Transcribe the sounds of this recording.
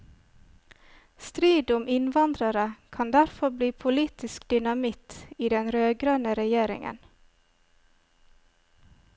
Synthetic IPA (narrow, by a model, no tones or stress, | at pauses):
st̪ɾiːd̪ʊmʔɪnʋɑnd̪ɾəɾəkʰɑnd̪æɾfɔɾbliːpʰʊliːt̪ɪskd̪̥ʏnɑmɪt̪iːd̪ɛnɾøːɡɾɑnəɾɛjeːɾɪ̰ŋə̰n